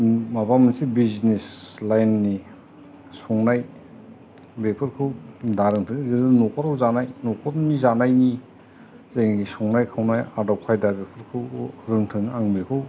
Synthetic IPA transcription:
mabamɯsibizneslajnːi | sɔŋnaj | bepʰɯɾkʰɯwdaɾɯŋtʰɯŋzɯdɯnɔkʰɔɾawzanajnɔkʰɔtnizanajni | zaŋɡisɔŋnajkʰawnajaɾdawkʰajdabepʰɯɾkʰɯwɾɯŋtʰɯŋaŋbikʰɯw

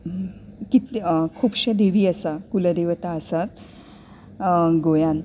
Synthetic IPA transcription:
kit̪kʰuːbɕad̪eʋiːəsakuləd̪eʋt̪aːsat̪̚ | ɡojãn

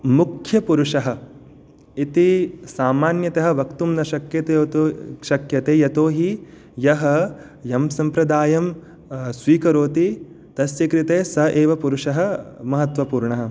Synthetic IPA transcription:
mukʰjɐpuɾuʂɐɦɐ̆ | it̪isaːmaːnjɐt̪ɐɦɐ̆ʋɐkt̪umnɐʃɐkjɐt̪eːt̪ʃɐkjɐt̪eːjɐt̪oːɦi | jɐɦɐ | jɐmsɐmpɾɐd̪aːjɐm | sʋiːkɐɾoːt̪i | t̪ɐsjɐkɾit̪eːsɐʔeːʋɐpuɾuʂɐɦɐ̆mɐɦɐt̪ʋɐpuːɾɳɐɦɐ̆

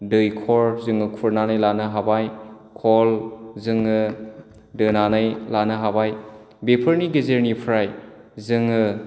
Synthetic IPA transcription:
dɯjkʰɔɾzɯŋɯkʰuɾnanajlanɯɦabaj | kʰɔlzɯŋɯ | dɯnanajlanɯɦabaj | bepʰɐɾniɡezeɾnipʰɾajzɯŋɯ

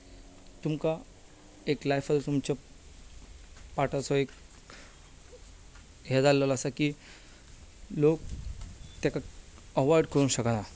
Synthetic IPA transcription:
t̪umka | eklajfəd͡zt̪umt͡ɕa | paʈasɔek | ɦed͡zalːəlasakiː | lok̚ | t̪jakaəʋɔɾɖkəɾuːnɕəkana

